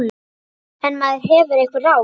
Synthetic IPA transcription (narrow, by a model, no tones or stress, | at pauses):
n | ɛnːmaðɪɾ̥ɦɛːvʏɾejkvɪraw